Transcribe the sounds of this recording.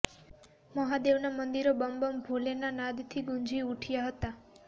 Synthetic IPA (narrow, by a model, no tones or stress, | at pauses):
məɦad̪eʋnamənd̪iɾobəmbəmbʱolenanad̪t̪ʰiɡund͡ʒʱiuʈʰjaɦət̪a